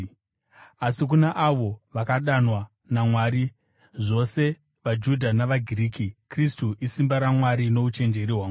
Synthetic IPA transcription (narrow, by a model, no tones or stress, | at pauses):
asik̬unaʔaʋo̞ʋakaɗanwa | namwaːɾi | ʐo̞se̞ | ʋad͡ʒudʱanaʋaɡʱiriːkikristuʔisimbaɾamwaɾino̞ut͡ʃe̞nd͡ʒe̞ɾiɦwaːm